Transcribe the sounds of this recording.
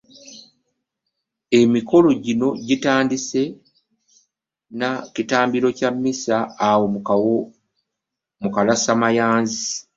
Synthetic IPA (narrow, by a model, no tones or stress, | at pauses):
e̞miko̞lo̞ɟino̞ɟitaːndise̞ | nacitaːmbiɾo̞camːisaːwo | mukalasamajaːnzi